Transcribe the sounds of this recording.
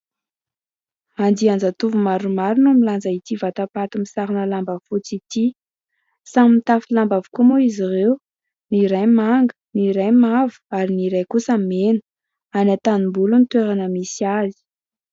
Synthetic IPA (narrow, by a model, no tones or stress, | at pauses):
and̪iand͡zat̪uvumaɾumaɾunumiland͡zait̪ivat̪apat̪umisaɾinəlambafut͡sit̪i | saminit̪afilambavu̥kumoizirew | niɾajmaŋɡə̥niɾajmavu̥aɾiniɾajkusamenə̥ | anat̪animbulunit̪weɾanəmisiazi̥